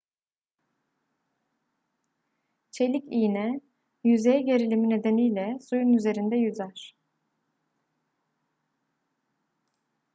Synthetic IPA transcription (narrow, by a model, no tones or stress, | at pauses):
t͡ʃʰe̞lʲicinɛ | jyze̞jɛɟe̞ɾilʲimine̞d̪e̞nijlʲɛsujunyze̞ɾind̪ɛjyzæɾ̥